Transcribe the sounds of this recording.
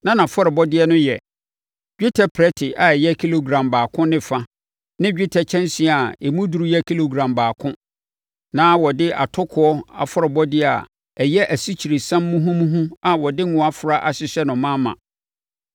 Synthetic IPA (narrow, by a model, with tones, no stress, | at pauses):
nã˦nã˨fɔ˦ɾɪ˨bɔ˦dɪ˦ɛ˦nʊ̃˦jɛ˨ | ɡᶣi˦tʰɛ˨pʰɾɛ˦tʰɪ˨ʔa˨ɛ˨jɛ˦kʰi˦lo˨ɡɾã˨mbaː˨kʰʊ̃˦nɪ̃˦fa˦ | nɪ̃˦d͡ʑᶣi˦tʰɛ˨t͡ɕʰɛ̃˦nsi˨a˨e˨mũ˦du˨ɾu˦jɛ˦kʰi˦lo˨ɡɾã˨mbaː˨kʰʊ̃˦ | nãː˦wɔ˨dɪ˦ʔa˨tʰʊ˦kʰʊ˨ɔ˦a̰˨fɔ˦ɾɪ˨bɔ˦dɪ˦˨a̰˨ | ɛ˨jɛ˦ʔæ˨si˦t͡ɕʰi˨ɾe˨sã˦mːũ˦ɦũ˦mũ˦ɦũ˦a˨wɔ˨dɪ˦ŋũ˨a˦fʊ˨ɾa˦ʔa˨ɕɪ˨ɕɛ˦nʊ̃˨mã˦mã̰˨